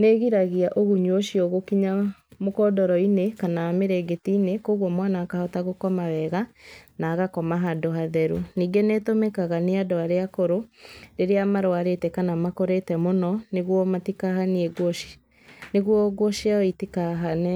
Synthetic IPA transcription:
neɣiɾaɣiaʔoɣuɲwoʃiɔɣokiɲamokɔdɔɾɔinekanaameɾeɡetiːnekoːɣwɔmwanaːkahɔtaɣokɔmawɛɣanaːɣakɔmaɦadoɦaðɛɾṵniːŋɡenetomɛkaɣaneadɔaɾeakoɾoɾeɾeamaɾoaɾetɛkanamakoɾetɛmonɔneɣwɔmatikaɦaneɛɡoi̥ | neɣwɔɡwɔʃeaitikaɦanɛ

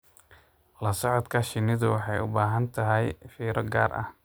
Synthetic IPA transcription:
lɐsɔʕɔd̪kʰɐʃɪnɪðʊwɑħɑjʊbaːɦɐnt̪ʰɐɦɛjfiːɾɔɡa̰ːrʔɐ̰h

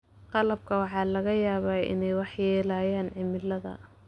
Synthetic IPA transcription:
qɑlɐb̚kʰɐwɑħɑːlɐɣɐjaːβaːʔɪ̰nɛjwɑħjɛːlaːjaːnʕɪmɪlɐðɐ̰

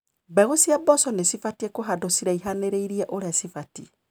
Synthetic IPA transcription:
bɛɣosiabɔsɔnesifatiekoɦadosiɾaiɦaneɾeiɾiɛʔoɾasifati

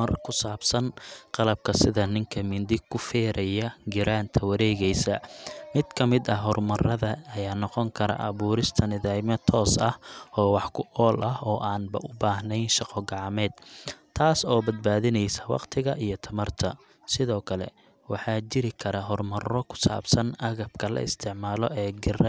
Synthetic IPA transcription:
ɐrkʰʊsaːbsɐnqɑlɐb̚kʰɐsɪðɐnɪŋkʰɐmɪnd̪ɪkʰʊfɛːɾɐjɐɡɪɾaːnt̪ʰɐwɐɾɛːɣɛjsɐmɪd̪̥kʰɐmɪd̪ɐɦɔrmɐrɐðɐːjaːnɔqɔŋkʰɐɾɐ̰ʔɐβuːɾɪst̪ʰɐnɪðajmɐt̪ʰɔːsɐhɔːwɑħkʰʊʔɔːlʔɐɦɔːʔaːnbɐ̰ʔʊbaːɦnɛjnʃɑqɔɡɑʕɑmɛːd̪̚t̪ʰaːsɔːbɐd̪̚baːðɪnɛjsɐwɑ̰qt̪ʰɪɣɐʔijɞt̪ʰɐmɐrt̪ʰɐ | sɪðɔːkʰɐlɛ̰ | wɑħɑːt͡ʃɪɾɪkʰɐɾɐɦɔrmɐrɔkʰʊ̥sa̰ːbsɐnɐɣɐb̚kʰɐlɐ̰ɪ̰st̪ʰɪʕmaːlɔʔɛːɡɪr

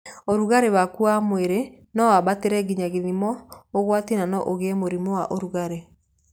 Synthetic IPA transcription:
oɾuɣaɾewakuamweɾe | nɔwaβateɾɛɡiɲaɣiðimɔoɣwatinanɔʔoɣeɛmoɾimowaʔoɾuɣaɾe

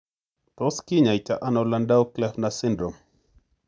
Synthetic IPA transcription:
tɔskiɲaitaʔanalandauklɛfnasindɾɔm

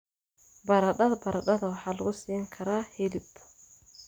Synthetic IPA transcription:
bɐɾɐɗɐðbɐɾɐɗɐðɐwɑħɑːlɐɣʊsiːŋkʰɐɾaːhɛlɪb

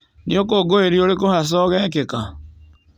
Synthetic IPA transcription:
niokoɡoeɾioɾekohas̬ɔɣɛk̬eka

